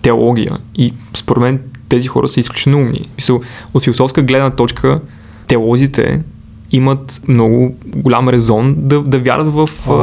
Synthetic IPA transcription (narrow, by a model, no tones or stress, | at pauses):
t̪ɛolˠɔɡʲijə̰ispoɾɛd̪mɛnt̪ɛzixɔ̰ɾə̰səisklʲut͡ʃɛnoumnḭsmisəlˠot̪filˠosɔfskəɡlɛd̪nət̪ɔt͡ʃkʰə | t̪ɛolˠɔzit̪ʰɛ̰ | imət̪mnɔɡʊɡʊlʲa̰mɾɛzɔnd̪ɐd̪ɐvʲja̰ɾət̪vəf